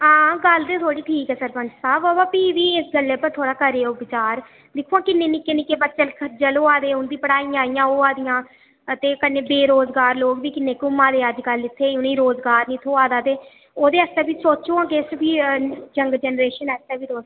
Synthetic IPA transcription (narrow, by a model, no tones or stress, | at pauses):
ãːɡəld̪eːt̪ʰoːɽiːʈʰiːkɛːsəɾpənsaːboːbaːpiːʋiːɪsɡəlːeːpət̪ʰoːɽaːkəɾeːoːbɪt͡ʃaːɾ | d̪ɪkʰuãːkɪnːeːnikɪnɪkeːbət͡ʃːəlkʰəɾd͡ʒəloːaːd̪eːʊnd̪iːpəɽaːiːaːijãːoːaːd̪ijãː | t̪eːkəneːbeːɾoːzɡaːɾloːɡʋiːkɪnːeːkʊmãːd̪eːəd͡ʒɡəlɪt̪ʰːeːʊnĩːɾoːzɡaːɾnĩːt̪ʰoːaːd̪aːt̪eː | oːd̪eːəst̪eːbiːsoːt͡ʃõːãːkeːsbiːd͡ʒəŋɡd͡ʒɛnɾeːʃənɛːst̪ɛːbiːɾoːs